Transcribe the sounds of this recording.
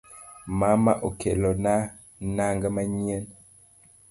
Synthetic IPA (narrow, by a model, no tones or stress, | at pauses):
mama̰ʔokelɔna | naŋɡamaɲien